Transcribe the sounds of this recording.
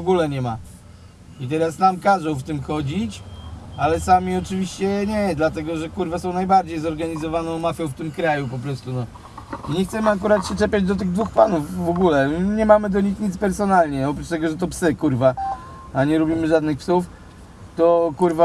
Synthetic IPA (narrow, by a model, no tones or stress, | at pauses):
vɔɡulɛɲɛma | it̪ɛɾasnamkaʐɔ̃w̃ft̪ɘmxɔd͡ʑit͡ɕalɛsamʲiɔt͡ʂɘvʲiɕt͡ɕɛɲɛd̪lat̪ɛɡɔʐɛkuɾvasɔ̃w̃najbaɾd͡ʑejzɔɾɡaɲizɔvanɔ̃w̃mafʲjɔ̃w̃ft̪ɘmkɾajup̬ɔpɾɔst̪unɔ | iɲɛxt̪sɛmɘak̬uɾat̪ɕɛt͡ʂɛpʲad͡ʑd̪ɔt̪̬ɘɣd̪vuxpanufːɔɡulɛɲɛmamɘd̪ɔɲixɲit̪spɛɾsɔnalɲɛɔp̬ɾut͡ʃt̪ɛɡɔʐɛt̪ɔpsɘkuɾva | aɲɛɾɔbʲimɘʐad̪nɘxpsuf | t̪ɔkuɾva